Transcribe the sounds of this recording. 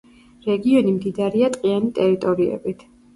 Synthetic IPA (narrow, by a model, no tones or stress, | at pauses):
ɾɛɡiɔnimd̪id̪aɾiat̪ʼqʼianit̪ʼɛɾit̪ʼɔɾiɛ̰bit̪ʰ